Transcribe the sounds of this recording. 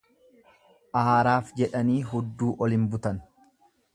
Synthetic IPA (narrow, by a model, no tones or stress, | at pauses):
ʔaːɾaːfd͡ʒɛᶑɐniːɦʊd̪ːuːʔɔlɪmbʊt̪ɐn